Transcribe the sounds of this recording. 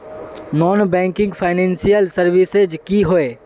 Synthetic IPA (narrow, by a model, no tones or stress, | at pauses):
nɔːnbɛ̃ːŋkɪ̃ŋɡpʰaːɪnɛ̃ːnsijəlsɐɾʋɪsed͡ʒkiɦoeː